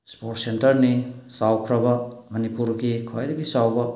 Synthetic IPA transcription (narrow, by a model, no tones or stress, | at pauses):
spoɾʈsentɐɾnisawkʰɾɐbɐmɐnipuɾɡikʰɔjdɐɡisawbɐ